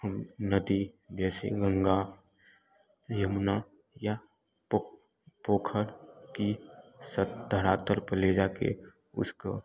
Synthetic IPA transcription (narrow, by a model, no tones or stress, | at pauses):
həmnəd̪id͡ʒɛːsḛɡə̃ŋɡa | jəmna | ja | poːkʰəɽkisət̪d̪ʱəɽaːt̪əɾpəleːd͡ʒakḛ | ʊ̰sko̰